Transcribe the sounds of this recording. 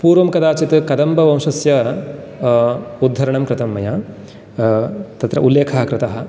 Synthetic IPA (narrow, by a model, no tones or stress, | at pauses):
puːɾʋɐmkɐd̪aːt͡ʃit̪kɐd̪ɐmbɐʋɐ̃wʂɐsjɐ | ud̪ʱːɐɾɐɳɐmkɾɪt̪ɐmːɐjɐ | t̪ɐt̪ɾɐ̰ʔulːeːkʰɐɦɐkɾɪt̪ɐɦɐ̆